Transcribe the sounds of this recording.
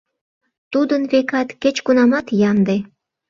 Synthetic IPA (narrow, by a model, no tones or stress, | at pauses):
t̪ud̪ənβekɑt̪ket͡ɕkunɑmɑt̪jɑnd̪e